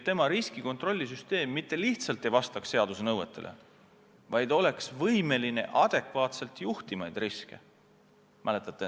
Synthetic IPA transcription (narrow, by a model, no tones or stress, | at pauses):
t̪ːe̞mɑɾiskiko̞nt̪ro̞lʲːis̬yst̪e̞ːmːit̪ːe̞liht̪sɑlt̪ːˑe̞jvɑst̪ɑksːe̞ɑd̪usenɤwe̞t̪ːˑe̞lʔḛ | vɑjd̪̥o̞le̞ksvɤjme̞line̞̰ʔɑd̪̥e̞kvɑːt̪se̞lt̪ˑjuht̪imɑjd̪̥riske̞̰ | mʔæle̞t̪ːˑɑt̪ːˑe